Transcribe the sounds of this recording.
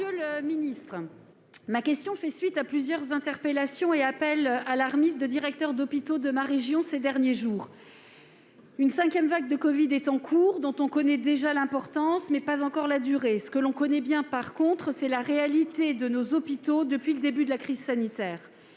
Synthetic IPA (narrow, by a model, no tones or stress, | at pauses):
øləminist̪χ | makʲɛst̪jɔ̃fɛsɥit̪aplyzjœʁzɛ̃t̪ɛʁpelasjɔ̃eapɛlalaʁmizd̪əd̪iʁɛk̚t̪œʁd̪ɔpit̪od̪əmaʁeʒjɔ̃sed̪ɛʁnjeʒuːʁ | ynsɛ̃kʲjɛmvaɡ̚d̪əkɔvid̪ɛt̪ɑ̃kʰuːʁd̪ɔ̃t̪ɔ̃kɔnɛd̪eʒalɛ̃pɔʁt̪ɑ̃smɛpazɑ̃kɔʁlad̪yʁesə̥kəlɔ̃kɔnɛbjɛ̃paʁkɔ̃t̪χəsɛlaʁealit̪ed̪ənozɔpit̪od̪əpɥiləd̪ebyd̪əlakχizsanit̪ɛːʁ